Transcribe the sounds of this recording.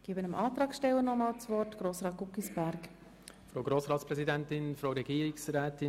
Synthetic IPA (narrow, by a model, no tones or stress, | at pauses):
ɡ̥eːbənəmʔɑːt̪ɾɑːkʃtɛwənɔmɑːlt͡svɔrtɡ̥ɾoːsɾɑːt̚ɡ̥ukisb̥æɾk | fɾoːɡɾoːsɾɑːtspɾɛzidɛntɪnfɾoːɾɛɡiːɾɪksɾɛːtɪ